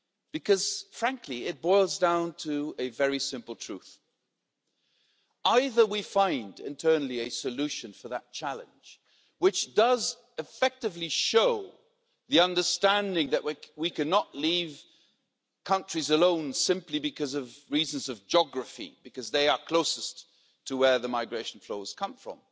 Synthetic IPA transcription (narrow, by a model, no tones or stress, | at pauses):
b̥ɨkʰʌz̥fɹæ̃ŋkʰliɪt̚b̥ɔɪlˠzdãʊ̃ntʰɨɨvɛɹisɪ̃mpl̩ˠtʰɹ̥ʉ̰θ | aɪðə˞wifãɪ̃ndɪ̰̃ntʰɜ˞nl̩ˠiɨsɨlʉʃɨ̃nfə˞ðət̚t͡ʃʰælˠɨ̰̃nd͡ʒ̥ | wɨt͡ʃd̥ʌz | ɨfɛk̚tɨvliʃoʊ | ðiʌ̃ndə˞stæ̃ndɪ̃ŋðɨʔwwikʰɨnəʔˡliv̥ | kʰʌ̃nt͡ʃɹ̥izəlõʊ̃nsɪ̃mplibɨkʰʌzʌvɹiz̃nzʌvd͡ʒɑɡɹɨfḭbɨkʌzðeɪə˞kʰl̥oʊsɨs | tʰəwə˞ðɨmaɪɡɹeɪʃn̩floʊz̥kʰʌ̃ɱfɹʌ̰̃m